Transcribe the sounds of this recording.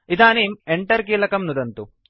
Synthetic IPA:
id̪aːniːmeɳʈɐɾkiːlɐkɐmnud̪ɐnt̪u

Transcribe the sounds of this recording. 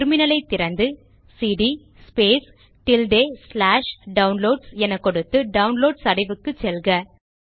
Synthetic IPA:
ɾmɪnɐlɐɪt̪ːɪɾɐnd̪ɯ | siːɽi | speːs | ʈɪlɖeːslaːʂɖɐʊnloːɖsɛnɐkːɔɽɯt̪ːɯɖɐʊnloːɖsɐɽɐɪʋɯkːɯt͡ʃɛlɡɐ

